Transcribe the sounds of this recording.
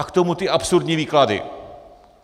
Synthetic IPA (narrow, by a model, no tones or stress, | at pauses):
akt̪omut̪ɪapsʊɾdɲiːviːkladɪ̰